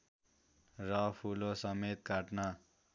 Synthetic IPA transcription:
rʌpʰulosʌmet̪kaʈna

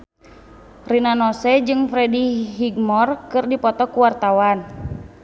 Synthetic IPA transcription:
rinanɔsɛd͡ʒɨŋfɾɛdiɦiɡmɔrkɨrdipɔt̪ɔkuwart̪awan

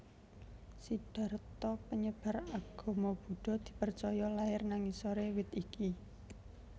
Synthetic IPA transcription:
siɖ̥a̤ɾt̪ɔpəɲəb̥a̤ɾaɡ̥ɔ̤mɔb̥ṳɖ̥ɔ̤d̪̥i̤pərt͡ʃɔjɔlaɪrnaŋisoɾewɪt̪iki

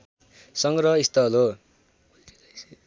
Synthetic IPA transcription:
sʌŋɡɾʌist̪ʌlo

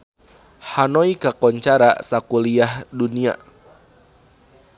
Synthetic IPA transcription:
hanɔikakɔɲt͡ʃaɾa̰sakuliahdunia̰

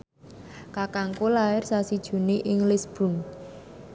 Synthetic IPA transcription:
kakaŋkolaɪrsasid̥ʒ̥ṳniʔɪŋlɪsb̥ṳn

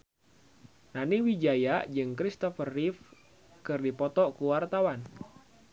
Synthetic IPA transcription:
naniwid͡ʒajad͡ʒɨŋkɾist̪ɔfərːif | kɨrdipɔt̪ɔkuwart̪awan

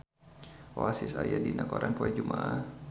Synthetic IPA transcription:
oasisajadinakoɾanpuɛd͡ʒumaʔa

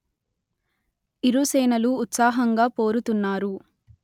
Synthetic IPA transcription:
iɾusɛːnɐluːt̪saːɦɐŋɡaːpo̞ːɾut̪unːaːɾu

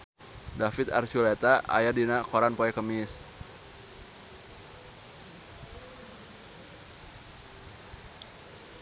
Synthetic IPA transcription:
dafɪt̪a̰rt͡ʃulat̪aʔa̰jadinakoɾanpoɛkəmɪs

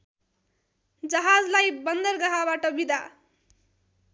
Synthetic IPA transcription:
d͡zʌɦad͡zlajbʌnd̪ʌrɡʌɦabaʈʌbid̪ʱa

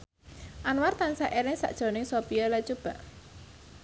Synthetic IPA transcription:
ʔanwart̪ansaʔeɾɪŋsa̰ʔd̥ʒ̥o̤nɪŋsopijɔlat͡ʃub̥a̤ʔ

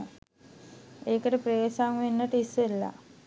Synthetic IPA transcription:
eːkəʈəpɾeːsaŋʋenːəʈəisʋelːa̰

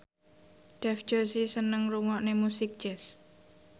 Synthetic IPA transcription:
ɖ̥ɛfd͡ʒ̥osisənəŋruŋɔʔnemusik̚d͡ʒ̥ɛs

